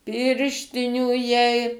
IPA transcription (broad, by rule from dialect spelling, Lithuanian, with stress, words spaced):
ˈpʲɪrʲʃʲtʲɪnʲuː jɛɪ